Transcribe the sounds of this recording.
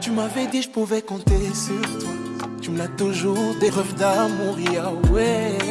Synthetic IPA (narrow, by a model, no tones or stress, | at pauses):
t̪ymavɛd̪iʃpovɛkõt̪eset̪u | t̪ynat̪uʒuʁd̪eʁɔvd̪amuʁiaɛ